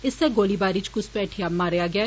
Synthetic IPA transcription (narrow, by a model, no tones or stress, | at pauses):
ɪsːeːɡoːliːbaːɾiːt͡ʃkʊspɛːʈʰiaːmːaːɾejaːɡɪjaː